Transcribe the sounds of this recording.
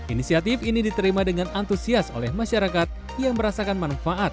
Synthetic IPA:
ʔinisiat̪ifinidit̪əɾimadəŋanʔant̪usiaso̰lɛhmaʃaɾakat̪̚ | jaŋbəɾasakanmanfaʔat̪̚

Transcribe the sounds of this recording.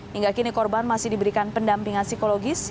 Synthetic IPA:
hiŋɡakinikɔrbanmasɪhdibəɾikanpəndampiŋansikoloɡɪs

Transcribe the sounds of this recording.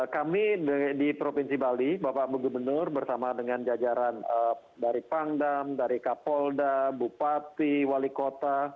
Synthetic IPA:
kamiədipɾopinsibalibapaʔbəɡubənərbərsamadəŋand͡ʒad͡ʒaɾanə | daɾipaŋdamdaɾikapɔldabupat̪iwalikot̪a

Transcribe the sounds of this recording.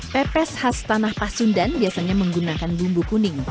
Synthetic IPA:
pɛpɛshast̪anahpasundanbiasaɲaməŋɡunakanbumbukunɪŋ

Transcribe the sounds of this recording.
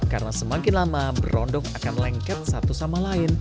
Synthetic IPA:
karnasəmakɪnlamabəɾɔndɔŋakanlɛŋkɛt̪̚sat̪usamalaɪn

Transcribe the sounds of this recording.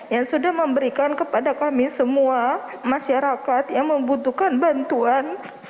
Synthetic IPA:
jaŋsudahməmbəɾikankəpadakamisəmua | maʃaɾakat̪jaŋməmbut̪ukanbant̪uan

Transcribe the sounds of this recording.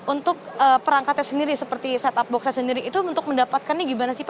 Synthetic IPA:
unt̪ʊk̚əpəɾaŋkat̪ɲasəndiɾisəpərt̪isat̪ap̚bɔksasəndiɾiʔːt̪uunt̪ʊk̚məndapat̪̚kanːaɡibanasip

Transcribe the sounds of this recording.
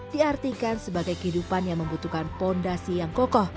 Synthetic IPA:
d̥iart̪ikansəbaɡajkəɦidupanjaŋməmbut̪ukanfɔndasijaŋkɔkɔh

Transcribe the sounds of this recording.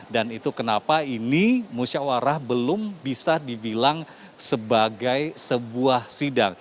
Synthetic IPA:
danit̪ukənapainimuʃawaɾahbəlʊmbisadibilaŋ | səbaɡajsəbuahsidaŋ

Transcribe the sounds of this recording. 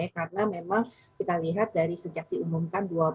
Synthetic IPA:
akarənamemaŋ | kit̪aliɦat̪̚daɾisəd͡ʒak̪̚diumumkandua

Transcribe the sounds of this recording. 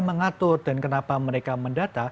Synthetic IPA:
məŋat̪ʊrda̤nkənapaməɾekaməndat̪a

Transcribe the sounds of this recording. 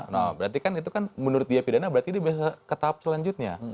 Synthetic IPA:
nɔ̰bəɾat̪̬ikanit̪ukanmənuɾʊt̪̚diapidanabəɾart̪idiabias̬akət̪ap̚səlaɲd͡ʒʊt̪̚ɲa̰

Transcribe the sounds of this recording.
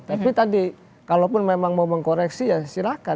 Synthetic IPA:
t̪apit̪adi | kalopʊnmemaŋmauməŋkoɾɛksijasiɾaka

